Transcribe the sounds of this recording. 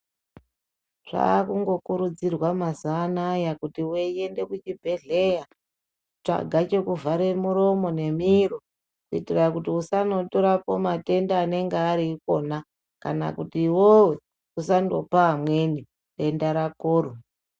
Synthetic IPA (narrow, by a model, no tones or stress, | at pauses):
ʐ̥a̰kuŋɡo̞kuɾud͡zirwamazaːnajakutiwejende̞kut͡ʃibʱe̞ɮe̞ja | t͡ʂa̰ɡʱat͡ʃe̞kuvʱaɾe̞muɾo̞mo̞ne̞miro | kuitirakutiusano̞toɾapo̞mate̞ndaːne̞ŋɡeaɾiko̞na | ka̰na̰kutiːwowe̞ | usando̞paːmwe̞ni | te̞ndaɾakoːro